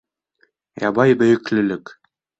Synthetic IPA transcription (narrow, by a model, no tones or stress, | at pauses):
jɑbɑjbɵ̆jɘ̆klɵ̆lɘk